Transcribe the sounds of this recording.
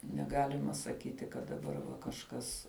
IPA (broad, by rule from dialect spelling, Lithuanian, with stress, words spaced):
nʲɛˈɡɑːlʲɪmɐ sɐˈkʲiːtʲɪ kɐt dɐˈbɐr ʋɐ kɐʃˈkɐs